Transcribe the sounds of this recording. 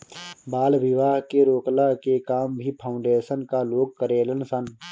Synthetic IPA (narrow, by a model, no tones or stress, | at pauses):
baːlʋɪʋaːɦkeɾoːklakekaːmbʱipʰaːʊ̃ɳɖeːʃənkaloːɡ̚kəɾeːlənsən